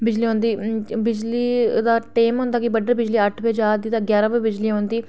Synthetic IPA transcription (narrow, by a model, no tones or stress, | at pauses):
bɪd͡ʒliːɦõːnd̪iːbɪd͡ʒliːd̪aːʈeːmɦõːnd̪aːkɪbəɖəɾbɪd͡ʒliːəʈʰbeːd͡ʒaːd̪iːt̪ãːɡjaːɾãːbeːbɪd͡ʒliːɦõːnd̪iː